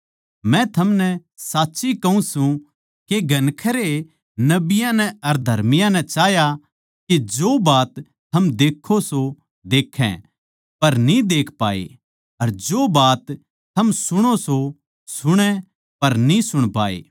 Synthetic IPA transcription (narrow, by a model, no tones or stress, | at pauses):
mɛ̃t̪ʰɐmnɛ | saːtːʃikɐũsũ | keɡɐnkʰəɾe | nɐbɪjãnɛɐɾd̪ʱɐɾmɪjãnɛt͡ʃaːja | ked͡ʒoːbaːt̪ʰː | ɐmd̪eːkʰːoso | d̪eːkʰːɛ̰̃ | pɐɾnĩd̪eːkʰpaːḛ | ɐɾd͡ʒoːbaːt̪ʰː | ɐmsʊɽ̃oso | sʊɽ̃ɛ̃ | pɐɾnĩsʊɽ̃paːḛː